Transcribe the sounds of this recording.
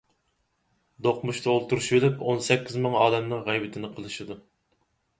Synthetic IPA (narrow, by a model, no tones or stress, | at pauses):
d̪oqmuʃt̪ʰɑolˠt̪uɾuʃbelɪponsɛkʲːizmɨŋɑːd̪ɛmnɨŋʁɛjbɪt̪ʰɪnɪqʰəlˠɨʃɨd̪u